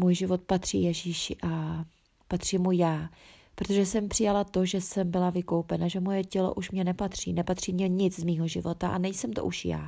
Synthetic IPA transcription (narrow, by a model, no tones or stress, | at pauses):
muːjʒɪvo̞t̪̚pat̪r̝̥ḭːjɛʒiːʃɪʔa | pat̪r̝̥iːmujaː | pɾot̪o̞ʒɛsɛmpr̝̥ɪjalat̪o̞ʒɛsɛmbɪlavɪkowpɛnaʒɛmojɛcɛlo̞̰ʔuʃmɲɛnɛpat̪r̝̥ḭːnɛpat̪r̝̥iːmɲɛɲɪt͡szmiːɦo̞ʒɪvo̞t̪aʔa̰nɛjsɛmt̪o̰ʔuʃja̰ː